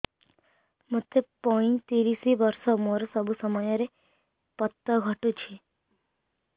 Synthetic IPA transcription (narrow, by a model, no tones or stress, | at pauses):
mət̪ːepɔĩnt̪iɾisiʋəɾsɔmoɾosəbʱusəmɔjɔɾe | pət̪ːəɡʱəʈut͡ʃʰe